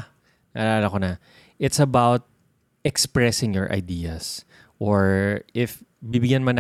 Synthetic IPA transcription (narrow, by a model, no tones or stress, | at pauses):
na̰ːlaːlɐkonɐ | ʔɪt̪sɐbawt̪̚ | ʔɛkspɹɛsɪŋjɔɹʔɐ̰jd̪iɐs | ʔoɹʔɪfbibɪɡjanmɐn